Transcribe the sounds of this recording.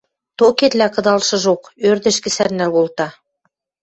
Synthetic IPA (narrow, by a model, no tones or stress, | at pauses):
t̪oket̪lʲækɤ̆d̪ɑlˠʃɤ̆ʒokøɾd̪ɘ̆ʃkɘ̆sæɾnælβolˠt̪ɑ